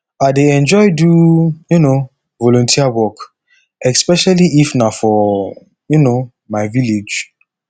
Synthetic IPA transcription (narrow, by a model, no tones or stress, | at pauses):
aɪdeɛ̃nd͡ʒɔɪjdujuno | vɔlɔ̃ntʰiawɔk | ɛspɛʃaliifnafɔ | juno | maɪviled͡ʒ